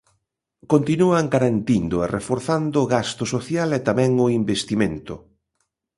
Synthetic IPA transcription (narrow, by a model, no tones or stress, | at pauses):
kont̪inuaŋɡaɾant̪ind̪ʊerefoɾθand̪ʊːɣast̪ʊsoθjalɛt̪amɛ̃ŋʊimbest̪imẽnt̪ʊ